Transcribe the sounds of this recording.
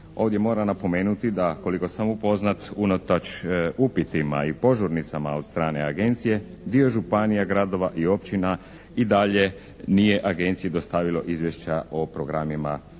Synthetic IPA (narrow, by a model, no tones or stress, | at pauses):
o̞ːʋd̪ʲje̞mo̞ːɾanapo̞me̞ːnut̪id̪ako̞liko̞samupo̞znat̪unot̪at͡ʃupit̪ima̰ipo̞ʒoɾnit̪samao̞d̪̥st̪ɾaːne̞aɡe̞nt̪sije̞ | d̪io̞ʒupanijaɡɾad̪o̞ʋaʔio̞pt͡ɕina | id̪aʎe̞ | nije̞ʔaɡe̞nt̪sijid̪o̞st̪aʋilo̞ʔizʋjeʃt͡ɕaopɾoɡɾamima